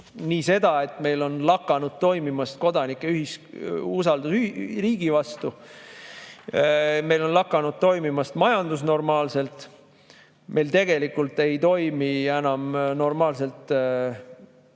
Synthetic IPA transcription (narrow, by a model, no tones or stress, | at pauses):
niːse̞d̪̥ɑe̞t̪ːˑme̞jlo̞nlɑkːˑɑnud̪̥̚t̪o̞jmimɑst̪̚ko̞d̪ɑnikˑːe̞yɦisusɑld̪usyriːɡ̥ivɑst̪u | me̞jlo̞nlɑkːˑɑnud̪̥̚t̪o̞jmimɑst̪mɑjɑnd̪us̬no̞rmɑːlse̞lt̪ | mʔe̞jlt̪e̞ɡ̥e̞likːˑult̪ːˑe̞jt̪o̞jmienɑmno̞rmɑːlse̞lt̪ˑ